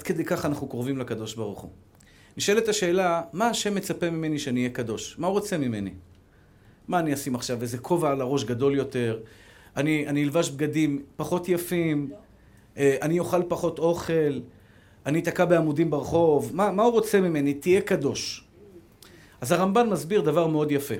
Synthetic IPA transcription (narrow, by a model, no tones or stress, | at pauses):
ad̥̪ked̪ejkaχanaχnukoʁvimlakad̪o̞ʃbaʁuχṵ | niʃoelet̪aʃe̞ːlamaːʃe̞mːet͡sape̞mime̞niʃeaniːjekad̪o̞ʃmauʁot͡se̞mime̞̰nḭ | maːniasimaχʃavːezekʰo̞vaalaʁo̞ʃɡad̪o̞ljo̞t̪e̞ʁanianilvaʃb̚ɡadimpaχo̞tjafim | ʔanijo̞χalpaχo̞t̪o̞χe̞l | ʔanit̪akabeamudimbeʁeχo̞vmamauʁot͡se̞mime̞nit̪ije̞kado̞ʃ | ʔazaʁambanmazbiʁd̪avaʁmeo̞d̪jafe̞